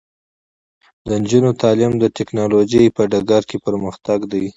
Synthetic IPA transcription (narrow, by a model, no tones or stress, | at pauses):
d̪ənd͡ʒunot̪ɑlɪmd̪əʈɪknɑlod͡ʒəjpəɖaɡaɾkepəɾməxt̪aɡd̪aj